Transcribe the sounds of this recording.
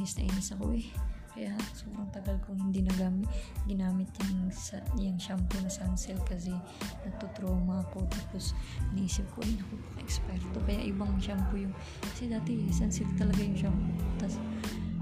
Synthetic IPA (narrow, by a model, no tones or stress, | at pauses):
nɪsnɐʔiːnɪsɐko̞̰ʔɛkɐjasoːbɾɐŋt̪ɐɡalkʊŋhɪnd̪inɐɡaːmɪt̪ɡɪnaːmɪt̪̚ɲaŋsjɐŋʃamponɐsansɛlkɐs̬ɛ | nɐɡ̚t̪ot̪ɾoːmɐɐko̞t̪aːpo̞snʔiːsɪp̚koɪnɐkopɐ̥kɐ̰ʔɛkspɛɾt̪o̞kɐja̰ʔɪbaŋʃampojʊŋ | kɐsɛd̪aːt̪ɛsansɪlt̪ɐlɐɡajʊŋʃampot̪as